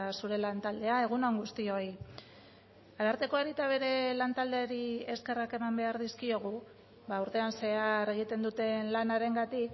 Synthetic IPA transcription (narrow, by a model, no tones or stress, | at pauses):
suɾe̞lant̪ald̪e̞ae̞ɣ̞unoŋɡust̪ioj | aðaɾt̪eko̞eɾit̪aβ̞e̞ɾe̞lant̪ald̪eaɾie̞ske̞rake̞mambe̞aɾðiskio̞ɣ̞u | βauɾt̪e̞anse̞are̞ɣ̞it̪e̞nd̪ut̪e̞nlanaɾe̞ŋɡat̪ik